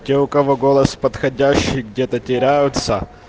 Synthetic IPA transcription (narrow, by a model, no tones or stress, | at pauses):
tʲeʊkɐvoɡolˠɐspɐt̪xɐdʲæɕːɪjɡdʲet̪ətʲɪɾʲæjʊt̪sə